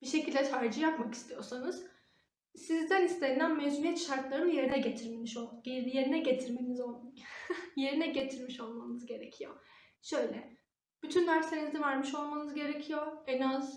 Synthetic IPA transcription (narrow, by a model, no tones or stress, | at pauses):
b̥iʃe̞cʰilʲd̪ɛt̪ʰaɾd͡ʒɯjapmaki̥st̪ʰijo̞ɾsanɯz̥ | sizd̪ænist̪ʰenænmezuijɛt̪ʃaɾt̪lˠaɾɯnɯje̞ɾinɛɟet̪ʰiɾmeniʃoeje̞ɾinɛɟet̪ʰiɾme̞nizo | jeɾinɛɟe̞t̪ʰiɾmiʃo̞lˠmanɯzɟe̞ɾecʰijo̰ | ʃø̞jlʲɛ | b̥yt̪ʰynːæɾse̞nizd̪ɛvæɾmiʃo̞lˠmanɯzɟe̞ɾecʰijoɛnaz̥